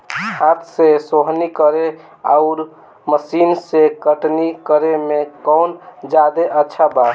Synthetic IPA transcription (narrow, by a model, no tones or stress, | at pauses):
hat̪ʰsesoɦnikəɾe | aʊɾ | məsinsekəʈnikəɾemekəwnd͡ʒad̪eʔətːʃʰaba